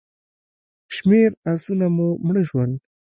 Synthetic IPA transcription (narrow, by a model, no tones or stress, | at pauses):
ʃmeɾasunamumɳəʒwand̪